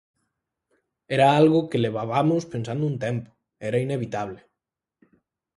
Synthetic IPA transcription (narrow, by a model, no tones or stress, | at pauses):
ɛɾaalɣokeleβ̞aβamospensand̪ount̪ɛmpo̥ | ɛɾaineβit̪aβ̞le